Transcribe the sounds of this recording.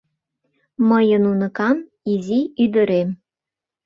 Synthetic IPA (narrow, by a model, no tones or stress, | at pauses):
məjənunɤ̆kɑn | iziyd̪ə̆ɾem